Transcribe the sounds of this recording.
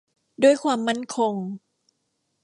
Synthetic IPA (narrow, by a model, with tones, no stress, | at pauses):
duː˥˩əjkʰwaː˧mːa˥˩nkʰo˧ŋ